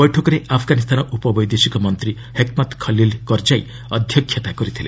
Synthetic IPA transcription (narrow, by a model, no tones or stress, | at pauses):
bɔjʈʰokɔɾeʔapʰɡanist̪ʰanɔʔupɔbɔjd̪esikɔmɔnt̪ɾi | hekmat̪kʰɔlilkɔɾd͡ʒaj | ɔd̪ʱjɔkʰjɔt̪akɔɾit̪ʰilḛ